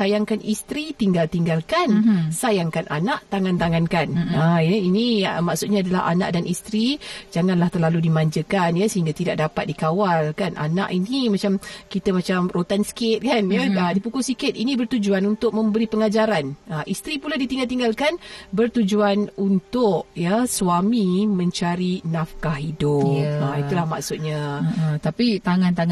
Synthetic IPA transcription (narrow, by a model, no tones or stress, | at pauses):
ajaŋkanʔist̪ɾit̪iŋɡalt̪iŋɡalkansajaŋkananaʔt̪aŋãnt̪aŋankanajəinimaʔsut̪̚ɲaːdala̰ɦa̰na̰ʔdanist̪ɾid͡ʒaŋãnlaht̪ərlaludimaɲd͡ʒəkanjəsəɦiŋɡat̪idaʔ̚dapat̪̚dikawalkanʔa̰na̰ʔinimat͡ʃamkit̪əmat͡ʃamrot̪anskɪt̪̚kanjəədipukʊlsikɪt̪̚inĩbərt̪ud͡ʒuanunt̪ʊʔ̚mə̃mbəɾipəŋad͡ʒaɾanəʔist̪ɾipuladit̪iŋɡalt̪iŋɡalkanbərt̪ud͡ʒuanunt̪ʊʔjəsuwamimə̃ɲt͡ʃaɾinafkahidʊjəit̪ulahmaksʊt̪̚ɲat̪apit̪aŋãnt̪aŋ